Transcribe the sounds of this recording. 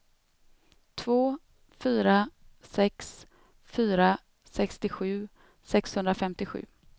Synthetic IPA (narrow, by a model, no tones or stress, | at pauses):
t̪ʰvoː | fyːɾasɛks | fyːɾa | sɛkst̪ɪɧʉ̟ː | sɛkshɵnɾafɛmt̪ɪɧʉ̟̰ː